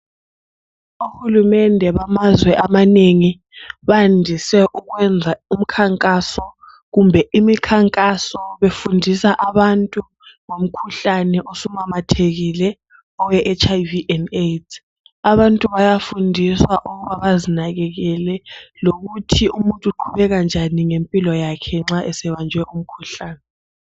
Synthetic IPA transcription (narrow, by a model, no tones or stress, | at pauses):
uhulumɛndʱɛβamazwɛʔamaneŋi | βandʱisɛʔuɣwɛnd͡zʱaum̩kʰaŋkʼasɔ | ɣumbʱɛimikʰaŋkʼasɔβefundʱisaʔaβantʼu | ŋom̩kʰuɬanɛʔosumamatʰeɣilɛ | ɔwɛʔɛt͡ʃʰʼajviʔɛnet | aβantʼuβajafundʱiswaʔuɣuβaβazinaɣɛɣɛlɛloɣutʰiumuntʼuǃʰuβɛɣand͡ʒʱaniŋempʼilɔjakʰɛŋ͡ǁaʔɛsɛβand͡ʒʱwɛʔum̩kʰuɬaːnɛ